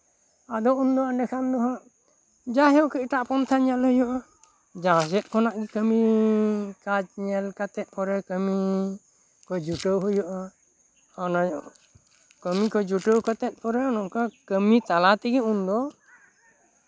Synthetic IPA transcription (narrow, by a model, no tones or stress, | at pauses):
ad̪ɔʔund̪ɔanɛkʰand̪ɔɦãʔ | d͡ʒaɦɛwkəʔʈaʔpɔnt̪ʰaɲɛlhɔjɔʔa | d͡ʒãsɛt̪̚kʰɔnaʔɡikəmi | kad͡ʒɲɛlkat̪ɛt̪̚ˀpʰɔɾɛkəmi | kɔd͡ʒuʈəwɦɔjɔʔa | ɔnɔjɔ | kəmikɔd͡ʒuʈəwkat̪ɛt̪̚ˀpʰɔɾɛɔnɔʔkakəmit̪alat̪ɛɡɛund̪ɔ